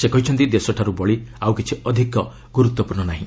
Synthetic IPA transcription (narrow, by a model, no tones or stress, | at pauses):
sekɔɦit͡ʃʰɔnt̪id̪esɔʈʰaɾubɔɭiawkit͡ʃʰiɔd̪ʱikɔ | ɡuɾut̪wɔpuɾnɔnaɦĩ